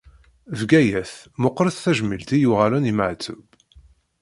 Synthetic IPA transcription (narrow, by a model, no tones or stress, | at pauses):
vɡæjæθmʊqːɾəθθæʒmilt̪ijʊʁalæniməʕt͡sːʊ̰b